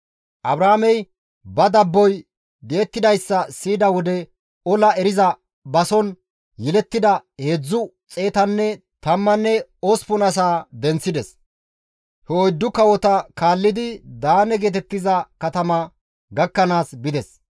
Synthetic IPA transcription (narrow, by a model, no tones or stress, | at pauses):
ʔɐbɾaːmɛj | bɐd̪ɐbːɔj | d̪eːt̪ːɪd̪ɐjsːɐsiːd̪ɐwɔd̪ɛ | ɔlɐɛɾɪzɐ | bɐsɔn | jɛlɛt̪ːɪd̪ɐhe̞ːd͡zːʊ | t͡sʼe̞ːt̪ɐnːɛ | t̪ɐmːɐnːɛospʊnɐs̬aːd̪ɛnt͡sːɪd̪ɛs | hɛɔjd̪ːʊkɐwɔt̪ɐkaːlːɪd̪ɪd̪aːnɛɡeːt̪ɛt̪ːɪzɐkɐt̪ɐmɐ | ɡɐkːɐnaːsbɪd̪ɛs